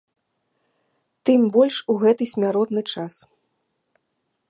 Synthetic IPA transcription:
t̪ɨmbɔlʲʂuɣɛt̪ɨsʲmʲaɾɔd̪nɨt͡ʂas

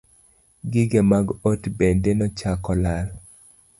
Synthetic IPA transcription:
ɡɪɡemaɡotbendenɔt͡ʃakɔlal

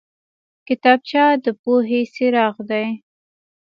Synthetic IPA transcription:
kɪt̪ɑb̚t͡ʃɑd̪əpoɦeseɾɑɣd̪aj

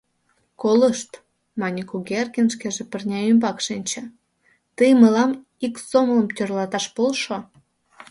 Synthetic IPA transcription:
koləʃt̪ | mɑnʲikuɡerkʲenʃkeʒepərnʲɑymbɑkʃinʲt͡ɕĕ | t̪əjməlɑm | iksomlə̆mt̪ʲørlɑt̪ɑʃpolʃo

